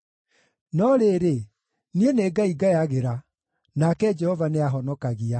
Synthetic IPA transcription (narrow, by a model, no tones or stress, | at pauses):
nɔɾeɾe | nieneːɡaiɡajaɣeɾa | nakɛd͡ʒɛhɔvaneaɦɔnɔkaɣia